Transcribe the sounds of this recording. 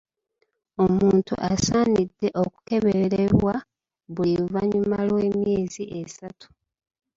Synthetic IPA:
o̞muːntṵʔasaːnidːe̞ʔo̞ku̥ke̞βeɾeβwa | βulivaɲumalwe̞ːmje̞ːziʔesatu̥

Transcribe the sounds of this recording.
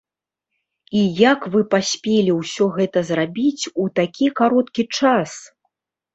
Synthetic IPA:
ijakvɨpasʲpʲelʲiwsʲɔɣɛt̪ɐzrabʲit͡sʲut̪akʲʰikaɾɔt̪kʲit͡ʂas

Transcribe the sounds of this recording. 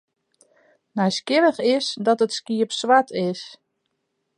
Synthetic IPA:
nɛjskɪvəxɪsdɔtətskiəpswatʰɪs

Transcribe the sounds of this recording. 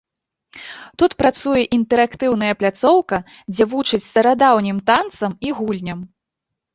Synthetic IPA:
t̪ut̪pɾat̪sujɛʔint̪ɛɾakt̪ɨwn̪ɐjɐplʲat̪sɔwkɐ | d͡zʲɛvut͡ʂɨt͡sʲst̪ɐɾad̪awnʲimt̪ant̪sɐmiɣulʲnʲɐm

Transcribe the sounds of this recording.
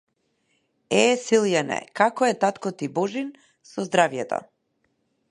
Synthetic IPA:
ɛsilˠjanɛ̰kakɔɛt̪at̪kɔt̪ibɔʒin | sɔzd̪ɾavjɛt̪ɔ̰

